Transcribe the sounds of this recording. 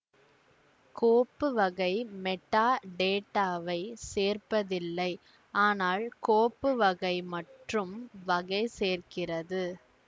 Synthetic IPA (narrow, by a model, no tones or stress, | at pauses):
koːpːɯʋɐɣɐɪmɛʈːaːɖeːʈːaːʋɐɪseːrpɐðɪlːɐɪ | aːnaːlkoːpːɯʋɐɣɐɪmɐʈrɯmʋɐɣɐɪseːrkɪrɐðɯ